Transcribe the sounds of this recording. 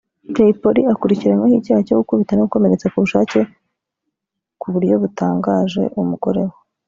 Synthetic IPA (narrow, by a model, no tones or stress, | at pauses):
teipoɾiakuɾiciɾaɲahiɟaːhacokukuβitaneɡuko̞me̞ɾe̞t͡sakuβuʃaːce̞ | kuβuɾjo̞βutaːŋɡaːʒe̞̰ʔumuɡo̞̰ɾe̞wo